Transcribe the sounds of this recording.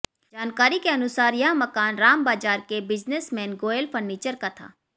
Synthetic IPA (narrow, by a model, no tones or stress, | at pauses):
d͡ʒaːnkaːɾikeɐnʊsaːɾjɐɦmɐkaːnɾaːmbaːd͡ʒaːɾkebɪd͡ʒnesmɛ̃ːnɡoːelfʰəɾniːt͡ʃəɾkat̪ʰa̰ː